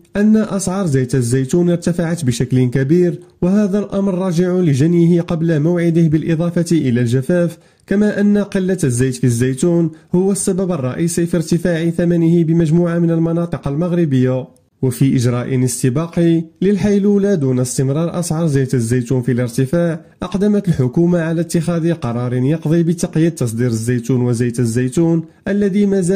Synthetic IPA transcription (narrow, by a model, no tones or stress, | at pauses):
ʔænːaʔɑsˤʕɑɾˤzæjt̪əzːæjt̪unəɾt̪afaʕat̪bəʃæklənkæbiɾwəɦæd̪ælʔɑmɾːˤɑːʒɪʕʊləʒænjəhɪqɑblamʊwʕɪd̪əhbəlʔɪd̪ˤɑfɑt̪iʔəlælʒæfæf | kæmæʔənːaqəlːazːæjt̪fizːæjt̪unhʊwːəsːæbæbɑrˤːɑ̰ʔiːsifiɾt̪əfaʕiθæmænəhɪbəmæʒmuːʕamənəlmɑnɑt̪ˤɨqɑlmaɣɾɪbəjːa | wəfiʔəʒɾɑʔənəst̪əbɑqiləlħajlulæd̪unəst̪əmɾˤɑɾˤʔɑ̰sʕɑɾˤzæjt̪əzːæjt̪unfiləɾt̪əfaʕ | ʔɑqd̪əmət̪lħʊkumaʕalæt̪ːəxæd̪iqɑɾˤɑɾˤənjɑqd̪ˤibət̪ɑqjid̪̚t̪ːɑs̬ˤd̪iɾəzːæjt̪unwəzæjt̪əzːæjt̪un | ʔəlːæd̪imæzæ